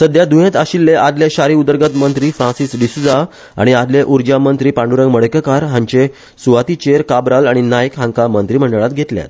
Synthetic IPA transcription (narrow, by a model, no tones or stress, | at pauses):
səd̪jad̪uɦẽt̪aɕilːeʔad̪leɕaɾiːud̪əɾɡət̪mənt̪ɾiːfɾãsisɖisud͡za | a̰ɽ̃iad̪leʔuɾd͡ʑamənt̪ɾiːpãɳɖuɾəŋɡməɽəkəkaɾɦãɲt͡ɕe | suʋat̪it͡ɕeɾkabɾalaɽ̃inajəkɦãŋkamənt̪ɾiːm̤əɳɖəɭat̪̚ɡʱet̪lja̰t̪̚